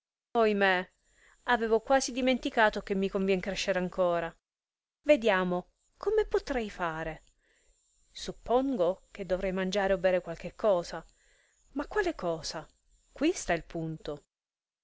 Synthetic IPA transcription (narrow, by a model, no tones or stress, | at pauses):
ojme | aveːvokwaːzid̪iment̪ikaːt̪ok̟emːikoɱvjɛŋkɾeʃːeɾaŋkʰoːɾa | ved̪jaːmo | komepot̪ɾɛjfaːɾe | supːoŋɡok̟ed̪ːovɾɛjmand͡ʒaːɾeobːɛːɾekwalk̟ekʰːɔːza | makːwaːlekɔːza | kwist̪ailpunt̪o